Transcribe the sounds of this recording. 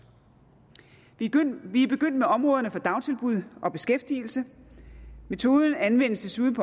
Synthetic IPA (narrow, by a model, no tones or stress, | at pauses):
ʋib̥e̝ɡ̥øn̰d̥̚meʔɒ̽mʁɔ̽ːðˠɐnəfɒ̽d̥ɑ̈ʊt͡sʰe̝lb̥uð̰ˠʔɒ̽b̥e̝sɡ̥efd̥iːl̩sə | me̝t͡sʰo̝ːðˠn̩ænʋen̰st͡sʰe̝suðˠpʰɒ̽